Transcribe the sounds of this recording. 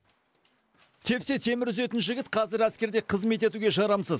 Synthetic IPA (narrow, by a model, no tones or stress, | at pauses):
t̪ʰe̞pse̞t̪ʰe̞mɪɾʏze̞t̪ɪnʒɪɡʲɪt̪qʰɑzɪɾæskʲe̞ɾd̪e̞qʰəzme̞t̪e̞t̪uɡʲe̞ʒɑɾɑmsəz